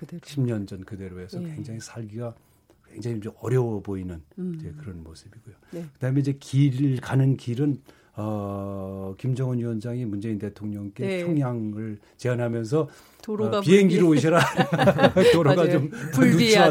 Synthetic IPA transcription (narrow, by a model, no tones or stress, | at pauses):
ɕʰimɲʌnd͡ʑʌnkɯde̞ɾoesʰʌkwe̞ŋd͡ʑaŋisʰaɭɡiɡa | kwe̞ŋd͡ʑaŋid͡ʑoʌɾjʌwʌboinɯnd͡ʑe̞kɯɾʌnmosɯbiɡojokɯdaɦɯmenid͡ʑe̞kiɾkanɯnkiɾɯn | ʌ | kimd͡ʑʌŋɯnjuʌnd͡ʑaŋimund͡ʑe̞intetʰoŋɲʌŋk͈et͡ɕʰoŋjaŋɯɭ | t͡ɕe̞anɦamjʌns̬ʰʌ | piɦeŋɡiɾooɕʰiɾa | toɾoɡat͡ɕomnut͡ɕʰia